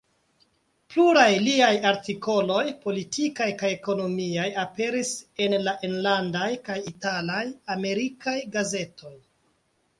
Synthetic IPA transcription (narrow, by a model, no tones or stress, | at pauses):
pluɾajliajaɾtiko̞lo̞jpo̞litʰikajkajeko̞no̞miajape̞ɾise̞nlaʔe̞nlandajkajitalajame̞ɾikajɡaze̞tʰo̞j